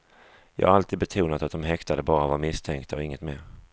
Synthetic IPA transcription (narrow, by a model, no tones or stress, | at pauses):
jɑ̰ɡhaɾalt̪iːd̪bɛt̪ʰuːnat̪at̪̚d̪ɔmɦɛkt̪ad̪əbɑːɾavaɾmɪst̪ʰɛŋkt̪ʰaɔɪŋːət̪mḛːɾ